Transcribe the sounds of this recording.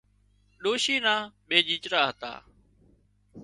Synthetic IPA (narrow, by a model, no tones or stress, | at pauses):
ɗoːʃiːnaːɓeːd͡ʒiːt͡ʃɾaːɦət̪a̰ː